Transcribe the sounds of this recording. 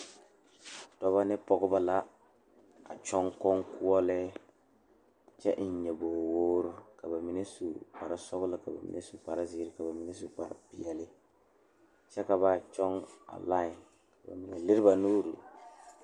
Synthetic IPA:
tɔ˨βa˦nɪ˦pɔ˨ɡʊ˦ba˦la˦ | a̰˨t͡ʃɔ˦ŋkɔ˦ŋku˦ɔ˦lɛ˦ | t͡ʃɛ˦ʔn̩˨˦ɲɛ˨boː˨woː˦ɾʊ˦ka˨ba˨mi˨ne˦su˨pa˨ɾa˨sɔ˦ɣʊ˦lɨ˦ka˨ba̰˨mḭ˨ne˦su˨pa˨ɾa˦zi˦ɾɪ˦ka˨ba˨mi˨nɛ˦su˨pa˨ɾɪ̰˨pɪ˨ɛ˨lɪ˦ | t͡ʃɛ˦ka˨βa˦t͡ʃɔ˦ŋa̰˨la˦˨ | ka˨ba̰˨mi˨nɛ˨lɪ˦ɾɪ˦ba˨nuː˦ɾu˨

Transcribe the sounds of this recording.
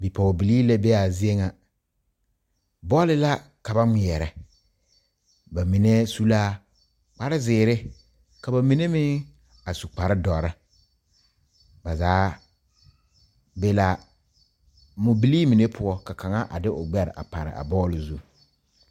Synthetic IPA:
bi˨pɔ˨bi˨liː˦la˦be˦a˨zɪ˦e˦ŋa˨ | bɔː˦lɪ˦la˦ | ka˨ba˦ŋɪ˨jɛ˨ɾɛ˨ | ba˨mi˨ne˦su˦laː˦ | k͡pa˨ɾɪ˦zɪː˨ɾɪ˦ | ka˨ba˨mi˨ne˦mɪ˦ | a˨su˨k͡pa˨ɾɪ˦dɔ˨ɾɪ˦ | ba˨zaː˨˦ | be˦la˦ | mʊ˨bi˨˦liː˦mi˨ne˦pʰʊ˦ɔ˦ka˨ka˨ŋa˦ʔa̰˨dɪ˦ʔʊ˨ɡ͡bɛ˦ɾɪ̰˨ʔa̰˨pa˨ɾɪ̰˨ʔa̰˨bɔː˦lɪ˨zu˦

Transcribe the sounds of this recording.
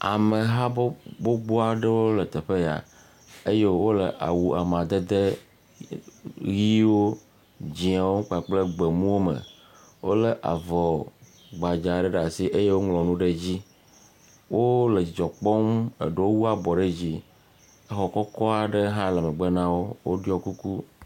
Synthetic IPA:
a̰˨me˨ɦa˦bo˦ɡ͡bo˦a˨ɖe˦wo˦le˨t̪e˨ɸe˦ja̰˨ | e˦je˦wo˦le˨ʔa̰˨wu˨a˨mã˨d̪e˦d̪e˦ | ɣi˦wo˦ | d͡ʑi˨a˨wõ˦k͡pa˨k͡ple˦ɡ͡be˨mũ˦wo˦mə̰˨ | wo˦le˨ʔa̰˨vɔ˨ | ɡ͡ba˨d͡ʒa˨ɖe˦ɖa˨si˦ʔe˦je˦wo˦ŋlɔ˨nũ˦ɖe˦d͡ʑi˦ | wʔo˦le˨i˨d͡ʒɔ˨k͡pɔ˦mḛ˨ɖe˦wo˦wu˦a˦bɔ˨ɖe˦d͡ʑi˦ | e˦xɔ˨kɔ˦kɔ˦a˨ɖe˦ɦã˦lɛ˨mə̃˨ɡ͡be˦nã˦wo˦wo˦ɖjɔ˦ku˦ku˦

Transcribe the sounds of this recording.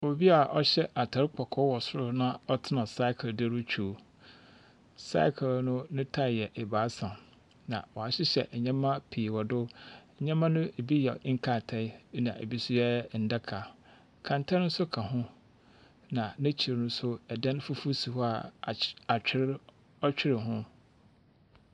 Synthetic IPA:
wo˨bi˦a˨ʔɔ˦ɕɛ˦ʔa˨tʰa˨ɾɪ˦kʰɔ˨kʰɔ˦wɔ˨sʊ˦ɾʊ˦nã˦ɔ˦tʰɪ˦nã˨sa˦ɪ˦kʰɪ˨ldɪ˦ɾʊ˦t͡ɕʰᶣu˦˨˦ | sa̰˦kʰɪ˨lnʊ̃˦nʊ̃˦tʰa˦˨jɛ˨ʔɛ˨baː˨˦sã˨m | nã̰˨wɔ˨a˨ɕɪ˦ɕɛ̰˨ʔɛ˨ɲã˦mã˦pʰi˨wɔ˨dʊ˦˨ | ɲã˦mã˦nʊ̃˦e˨bi˦jɛ˨˦ŋ̩˦kʰa˨tʰɛ˦nã˨ḛ˨bi˦sʊ˦jɛ˦˨n̩˨dɛ˦kʰa˨ | kʰã˨n˨tʰɛ˦nʊ̃˦sʊ˦kʰã˨ɦʊ̃˦ | nã˨nɪ̃˦t͡ɕʰi˨ɾnʊ̃˦sʊ˦ɛ˨dɛ̃˦n˦fu˦fu˦si˨hɔ˦a˨a˨t͡ɕᶣɪ˦ɾ | ɔ˦t͡ɕᶣɪ˦ɾɪ˨ɦʊ̃˦

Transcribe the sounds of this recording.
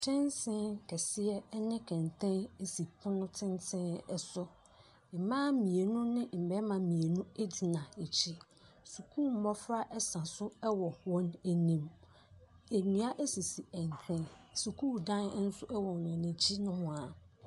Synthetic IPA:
tʰɛ̃˦nsɪ̃˦kʰɛ˨sɪ˦ɛ˦nɪ̃˦kʰɛ̃˨n˨tʰɛ̃˦ne˦si˨pʰʊ̃˦nʊ̃˦tʰɪ̃˦n˦tʰɪ̃˦ɛ˦sʊ˦ | mɪ˨mãː˦mĩ˨e˨nʊ̃˦nɪ̃˦m̩˨bɛ˦mã˨mĩ˨e˨nũ˦e˦di˨nã˨e˨t͡ɕʰi˦ | su˨kʰu˦˨m̩˨˦mɔ˦fɾa˦ʔɛ˦sã˨sʊ˦ɛ˦wɔ˨wɔ̃˦næ˨nĩ˦˨m | e˨nĩ˨˦a˦ʔe˦si˨si˨ɛ˨n˨tʰɛ̃˦nsu˨kʰuː˦dã˦n˦n̩˦sʊ˦ʔɛ˦wɔ˨nʊ̃˨næ̃˨t͡ɕʰi˦nʊ̃˦hʊ̃˨a˨

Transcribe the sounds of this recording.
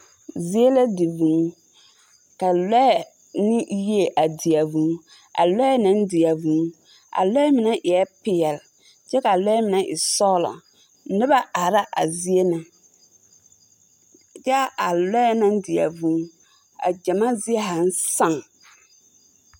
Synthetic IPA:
zi˦e˦la˦dɪ˨vũ˨˦ | ka˨lɛ˦ɛ˨ | nɪ˦ji˦e˨ʔa˨dɪ˨a˨vũ˨˦ | a̰˨lɛ˦ɛ˦nã˦n˦dɪ˨a˨vũ˨˦ | ʔa̰˨lɔ˦ɛ˦mɪ˨na˦ʔɪ˨ɛ˦pɪ˨jɛ˨l | t͡ʃɛ˦ka˨lɔ˦ɛ˦mɪ˨na˦ʔɪ̰˨sɔ˦lɔ̰˨˦ | nɪ˦ba˦a˨ɾa˦ʔa˨zi˦e˦na˨ | t͡ʃɛ˦a˨lɛ˦ɛ˦nã˦n˦dɪ˨a̰˨vũ˨˦ | a̰˨d͡ʒa˨ma˦zɪ˦ɛ˦ɦa˨n˦sa˦˨ŋ

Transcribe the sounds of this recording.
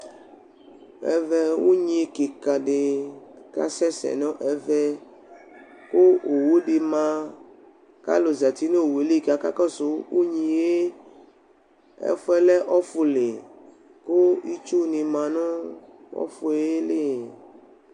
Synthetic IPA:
ɛ̰˨vɛ˦wo˦ɲĩ˦ke˨ka˨ɖe˨ka̰˦sɛ˦sɛ̰˨nɔ̃˦ʔɛ˨vɛ˦ | ko˦o˨wu˦ɖi˨mã˦ | ka̰˦lo˨za˨t̪i˦ne˦o˨we˨li˦˨ka˨ka˦kɔ˦so˨˦wo˦ɲĩ˨je˦ | ɛ̰˦fɛ˦lɛ˦ʔɔ˦fu˨le˨ | ko˦i˦t͡ʃu˦nĩ˨mã˨nɔ̃˦wɔ̰˦fu˨˦e˦e˦le˦˨

